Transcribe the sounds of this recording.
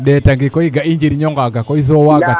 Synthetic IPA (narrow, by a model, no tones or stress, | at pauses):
ɗɛtaŋɡikɔiɡaiɲd͡ʒiɾiɲɔŋɡaɡakɔiðɔwaɡa